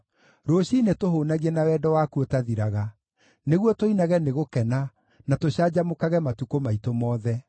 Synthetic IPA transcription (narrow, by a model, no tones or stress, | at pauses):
ɾoːɕinetoɦonaɣiɛnawɛdɔwakuotaðiɾaɣa | neɣwɔtoinaɣɛneɣokɛna | natoɕaːd͡ʑamokaɣɛmatukomaitomɔːðɛ